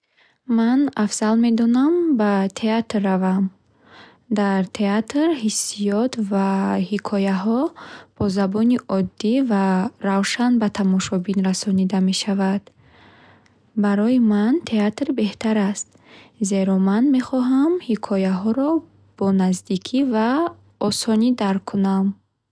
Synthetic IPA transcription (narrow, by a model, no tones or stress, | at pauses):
manafz̥alme̞d̪ɔnambat̪ʰe̞at̪rːavam | d̪aɾt̪ʰe̞at̪ɾhisːijɔt̪vahikʰɔjaɦɔb̥ɔzabɔniʔɔd̪ːivaɾavʃanbat̪ʰamɔʃɔbinɾasɔnid̪ame̞ʃavad̪̥ | baɾɔjimant̪ʰe̞at̪ɾbe̞ht̪ʰaɾast̪̚ | ze̞ɾɔmanme̞χɔɦamhikʰɔjaɦɔɾɔ | b̥ɔnazd̪ikʰiva | ɔsɔnid̪aɾkʰunam